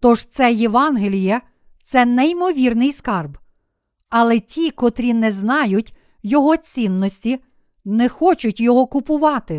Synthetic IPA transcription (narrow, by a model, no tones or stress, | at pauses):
t̪ɔʒt̪sɛjeʋɑnɦelʲijɛ | t̪sɛnɛimɔʋʲirnɪjskɑrb | ɐlˠɛtʲikɔt̪ɾʲinɛznɑjʊtʲ | jɔɦɔt͡sʲinːɔsʲtʲi | nɛxɔt͡ʃʊtʲjɔɦɔkʊpʊʋɑt̪ɪ